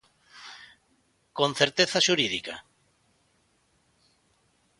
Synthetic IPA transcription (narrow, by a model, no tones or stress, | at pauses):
kõnθeɾt̪eθaʃuɾiðika̰